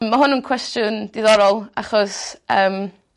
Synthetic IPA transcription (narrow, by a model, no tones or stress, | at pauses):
mːaɦʊnənkʰw̥ɛstjʊnd̥ɪðɔɾɔlˠa̰χɔsəːm